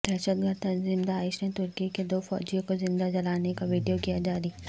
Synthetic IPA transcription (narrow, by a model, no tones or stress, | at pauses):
d̪̥ɛːʃəd̪̚ɡəɾd̪ɐnzĩmd̪aːɪʃnet̪ʊɾkiked̪oːfɔ̰ːd͡ʒijõkozɪ̃nd̪ad͡ʒɐlaːnekaʋiːɖijokijad͡ʒaːɾi